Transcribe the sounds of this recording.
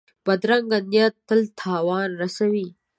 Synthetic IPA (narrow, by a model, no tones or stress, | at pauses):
b̥ɐd̪ɾɐŋɡɐnjɐt̪ːɐlt̪ʰaːwaːnɾɐsɐwiː